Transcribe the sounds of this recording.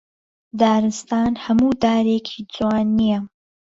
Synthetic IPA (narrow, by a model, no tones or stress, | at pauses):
d̪aːɾɨst̪aːnhɐmuːd̪aːɾeːkʰiːd͡zwaːnːijɐ